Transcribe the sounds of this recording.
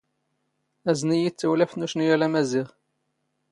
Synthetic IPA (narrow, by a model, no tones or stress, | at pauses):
æznijit͡sːəwlæfnuʃnijælæmæziʁ